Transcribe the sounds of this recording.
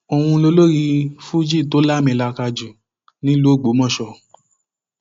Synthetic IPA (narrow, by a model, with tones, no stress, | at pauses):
o˧w̃ũ˧lo˧˦lo˦ɾi˧fu˦d͡ʒi˦˨to˨˦la˦˨mɛ̃˧˨la˧ka˧d͡ʒu˨ | nĩ˦lo˦˨ɡ͡bo˨˦mɔ̃˦˨ʃɔ˧˨